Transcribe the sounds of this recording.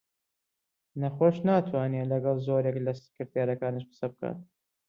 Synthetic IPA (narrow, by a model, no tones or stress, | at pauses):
nɐxoːʃnaːt̪ʰwaːnielɐɡɑlˠzoːɾjeklɐsɨ̥kɨɾt̪jeɾɐkaːniʃbɨ̥sɐb̚ka̰ːt̪̚